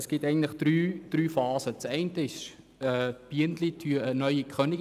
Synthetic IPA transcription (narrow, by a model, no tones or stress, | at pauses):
sɡ̥ɪtɛɪɡn̩tlɪχd̥ɾyːd̥ryːfɑːzət͡sɛɪntəɪʃ | ɛːb̥iəntlitʰyːənœʏikχœnɪɡ